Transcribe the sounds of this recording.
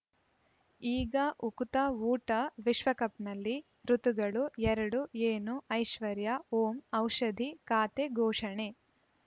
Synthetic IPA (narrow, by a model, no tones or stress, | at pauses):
iːɡɐʔukut̪ɐuːʈɐʋiʃʋɐkɐpnɐlːi | ɾut̪uɡɐɭuɛɾɐɽueːnuɐjʃʋɐɾjɐoːmɐwʂɐd̪ʱikaːt̪eɡʱɔːʂɐɳe